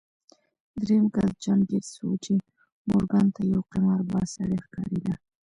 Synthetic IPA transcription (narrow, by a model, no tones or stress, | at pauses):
d̪ɾemkald͡ʒamɡeɾsowt͡ʃe | mʊɾɡant̪ajawqimaɾbɑsaɽexkɑ̰ɾid̪a